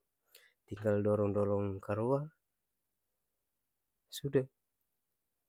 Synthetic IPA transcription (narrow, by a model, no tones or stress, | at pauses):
t̪iŋɡaldɔɾɔŋdɔɾɔŋkaɾua | suda